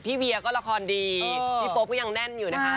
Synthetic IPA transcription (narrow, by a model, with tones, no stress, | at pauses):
pʰiː˥˩wi˧ɐ˧kɔː˥˩la˧kʰɔː˧ndiː˧iː˦˥˩po˦˥kɔː˥˩ja˧ŋnɛ˥˩njuː˨˩na˦˥kʰa˦˥